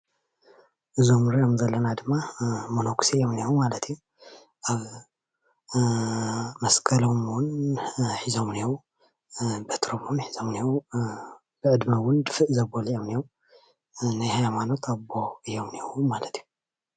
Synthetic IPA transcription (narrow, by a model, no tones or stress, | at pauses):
ʔɨzomɾijomzɐlːɐnad̪ɨmːamono̞kʰsijomniwumalɐt̪ʰju | ʔaβ | mɐskʰɐlomwʊnħizomnew | bet̪ɾomonħizomniw | bɨʕɨd̪mɐwʊnd̪ɨfɨʔzɐbolijomnjow | najhajmano̞t̪ʰabo̞ɨjːo̞mnewumalɐt̪ju